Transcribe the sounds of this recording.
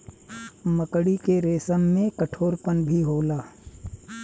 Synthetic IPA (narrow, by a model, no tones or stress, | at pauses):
məkɽikeɾeːsəmːẽkəʈʰoːɾpənbʱiɦoːlaː